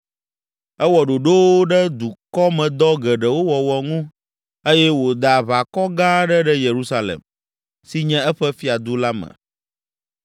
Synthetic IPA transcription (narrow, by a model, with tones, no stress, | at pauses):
ɛ˦wɔ˨ɖo˨ɖo˦wo˦ɖɛ˦d̪u˨kɔ˦mɛ̃˨d̪ɔ˦ɡɛ˨ɖɛ˨wo˦wɔ˨wɔ˨ŋũ˦ | e˦jɛ˦wo˨d̪a˨βa˨kɔ˦ɡã˦ɖɛ˦ɖɛ˦je˨ɾu˦sa˦lḛ˨m | si˦ɲɛ̃˦ɛ˦ɸɛ˦fi˦a˨d̪u˦la˦mɛ̰̃˨